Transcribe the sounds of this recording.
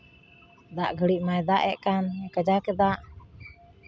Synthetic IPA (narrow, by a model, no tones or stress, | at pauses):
d̪aʔɡəɽiʔmajd̪aʔɛʔkanɛkəd͡ʒakɛd̪aʔ